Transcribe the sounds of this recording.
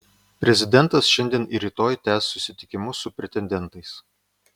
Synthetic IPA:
pʲɾʲɛzʲɪd̪ʲɛnˑt̪ɐsʃʲɛnʲd̪ʲiɛniɾʲiːt̪oːjt̪ʲæːsːʊsʲɪt̪ʲɪkʲɪmʊsʊpʲɾʲɛt̪ʲɛnʲd̪ʲɛnˑt̪ɐɪs

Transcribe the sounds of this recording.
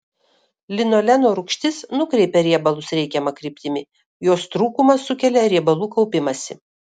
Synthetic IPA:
lʲɪnoːlʲɛnoːɾʊkʃʲt̪ʲɪsnʊkɾʲɛɪpʲɛɾʲiɛbɐlˠʊsɾʲɛɪkʲɛmɐkɾʲɪpʲt̪ʲɪmʲɪ | joːst̪ɾuːkʊmɐsːʊkʲɛlʲɛɾʲiɛbɐlˠuːkɒʊpʲɪmɐsʲɪ

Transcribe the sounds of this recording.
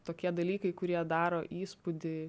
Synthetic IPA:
t̪oːkʲiɛd̪ɐlʲiːkɐɪkʊɾʲiɛd̪ɑːɾoːʔiːspʊd̪ʲɪ

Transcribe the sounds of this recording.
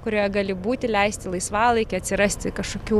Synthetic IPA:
kʊɾʲoːjɛɡɑːlʲɪbuːt̪ʲɪlʲɛɪsʲt̪ʲɪlˠɐɪsʋɑːlˠɐɪkʲɪɐt̪sʲɪɾɐsʲt̪ʲɪkɐʃkoːkʲuː

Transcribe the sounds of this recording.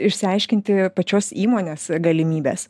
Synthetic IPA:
ɪʃʲsʲɪɐɪʃʲkʲɪnʲt̪ʲɪpɐt͡ʃʲoːsiːmoːnʲeːsɡɐlʲɪmʲiːbʲḛːs

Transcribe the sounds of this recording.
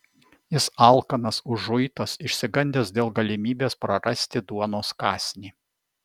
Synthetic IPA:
jɪsɐˑlˠkɐnɐsʊʒʊɪt̪ɐsɪʃʲsʲɪɡɐnʲd̪ʲeːsd̪ʲeːlˠɡɐlʲɪmʲiːbʲeːspɾɐɾɐsʲt̪ʲɪd̪uɔnoːskɑːsʲnʲiː

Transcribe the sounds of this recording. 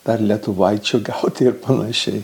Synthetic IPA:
d̪̥ɐrlʲɛt̪ʊʋɐɪt͡ʃʲoːɡɛʊt̪ʲːɪrpɐnɐʃʲɛɪ

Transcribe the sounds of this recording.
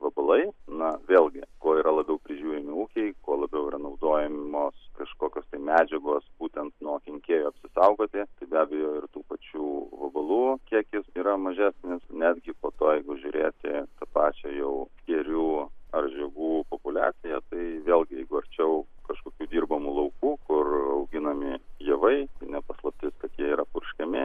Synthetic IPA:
ʋɐbɐlˠɐɪnɐʋʲeːlˠʲɡʲɪkoːiːɾɐlˠɐbʲɛʊpʲɾʲɪʒʲuːɾʲɪmʲɪuːkʲɛɪkoɔlˠɐbʲɛʊiɾɐnɐʊd̪oːjɛmmoːskɐʃkoːkʲoːst̪ɐɪmʲæːd͡ʒʲɛɡoːsbuːt̪ʲɛnt̪nuɔkʲɪŋʲkʲeːjuɐpʲsʲɪsɐʊɡoːt̪ʲɪt̪ɐɪbʲæːbʲɛjoːɪrt̪uːpɐt͡ʃʲuːʋɐbɐlˠuːkʲiɛkʲɪsiːɾɐmɐʒʲæːsʲnʲɪsnʲæːd̪ʲɡʲɪpoːt̪oːjɛɪɡʊʒʲʊːɾʲeːt̪ʲɪt̪ɐpɑːt͡ʃʲɛjɛʊsʲkʲɛɾʲuːɐrʒʲɛɡuːpoːpʊlʲæ̰ːt͡s̪ʲɪjɛt̪ɐɪʋʲeːlʲˠɡʲɪjɛɪɡʊɐɾʲt͡ʃʲɛʊkɐʃkoːkʲuːd̪ʲiːrbɐmuːlˠɐʊkuːkʊrɐʊɡʲɪnɐmʲɪjɛʋɐɪt̪ɐɪnʲɛpɐslˠɐp̚ʲt̪ʲɪskɐt̪jiɛiːɾɐpʊrʲʃʲkʲɛmʲɪ

